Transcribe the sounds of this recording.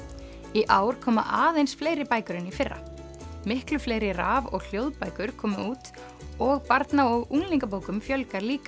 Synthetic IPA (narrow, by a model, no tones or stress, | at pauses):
iʔaːwɾ̥kʰɔːma̰ʔaːðejnsfleːjɾɪpaːjkʏɾɪnifɪrːa̰ | mɪhklʏfleːjɾɪraːvɔ̰ɣl̥jowðpaːjkʏɾ̥kʰɔːmʏuːt̪ | ɔɣpaɾt̪naɔɣuŋliŋkap̬oːwkʏmfjœlkaɾliːka